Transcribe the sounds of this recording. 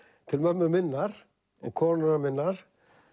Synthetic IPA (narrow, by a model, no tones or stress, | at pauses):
t̪ʰɪlmœmːʏmɪnːaɾ̥ | ɛnkʰɔːɾnʏnamɪnːaɾ̥